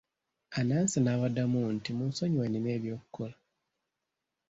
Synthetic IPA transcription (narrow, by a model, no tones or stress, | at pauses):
anansinaβadamuntimunsoɲwenineːβjo̞ːku̥kola